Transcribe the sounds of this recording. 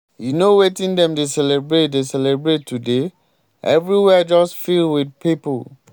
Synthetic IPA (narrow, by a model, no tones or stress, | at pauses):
junowetĩndɛ̃mdesɛlɛbɹet̚desɛlɛbɹetʰːude | ʔɛ̰vɹiwɛd͡ʒɔstfilwid̚pipo